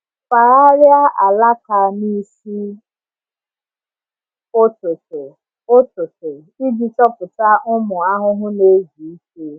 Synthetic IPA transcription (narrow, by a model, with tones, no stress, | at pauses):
fa˨ɾa˦ɾja˦ʔa˨la˦ka˨ni˦si˦ | o˦tʊ˨tʊ˨ | o˦tʊ˨tʊ˨ | i˦d͡ʒi˨tɔ˦pʊ˨ta˦ʊ˦mʊ˨a˦ɦʊ˦ɦʊ˦ne˦ɡi˨i˦ke˦